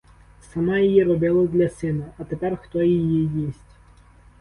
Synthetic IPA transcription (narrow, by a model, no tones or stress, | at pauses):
sɐmɑjɪjiɾɔbɪlˠɐd̪ʲlʲɐsɪnɐɐt̪epɛrxt̪ɔjiijijisʲtʲ